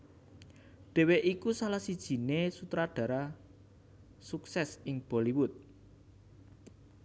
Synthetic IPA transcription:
ɖ̥e̤weʔikusalahsid̥ʒ̥i̤nesut̪ɾaɖ̥ä̤ɾa | suksɛsɪŋb̥ɔ̤liwʊt̪̚

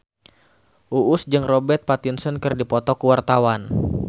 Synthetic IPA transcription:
ʔuʔʊsd͡ʒɨŋrɔbɛrt̪̚pat̪insɔnkɨrdipɔt̪ɔkuwart̪awan

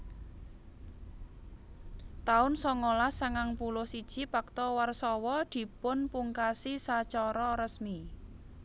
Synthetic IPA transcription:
t̪aʊnsɔŋolasaŋaŋpulʊhsid̥ʒ̥i̤pak̚t̪ɔwarsɔwɔd̪̥i̤pʊnpuŋkasisat͡ʃɔɾɔɾəsmi

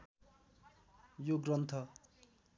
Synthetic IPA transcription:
joɡrʌnt̪ʰʌ

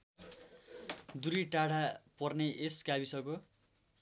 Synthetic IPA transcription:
d̪uɾiʈaɽapʌrneʔeskabisʌko

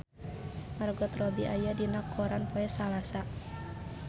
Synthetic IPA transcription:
marɡɔt̪rɔbiʔajadinakʰːɔɾʔanpɔɛsalasa

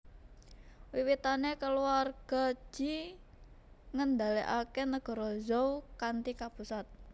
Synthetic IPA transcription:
wiwit̪anekəluarɡ̥ɔ̤̥d͡ʒ̥i̤ | ŋənd̪aliʔakenəɡ̥ɔ̤ɾɔzɔukant̪ikapusat̪̚

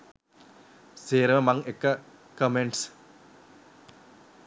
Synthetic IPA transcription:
seːɾɐʋɐmɐŋekːɐ | kɐmeɳɖs

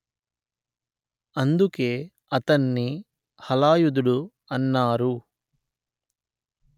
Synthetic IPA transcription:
ɐnd̪ukeː | ɐt̪ɐnːi | hɐlaːjud̪uɽu | ɐnːaːɾu

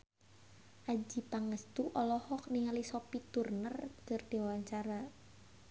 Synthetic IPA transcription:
ʔad͡ʒipaŋəst̪uʔɔlɔhɔk̚niŋalisɔpit̪urnərkərd̥iwawaɲt͡ʃaɾa

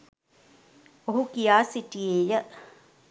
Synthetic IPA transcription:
oɦukijaːsiʈieːjə

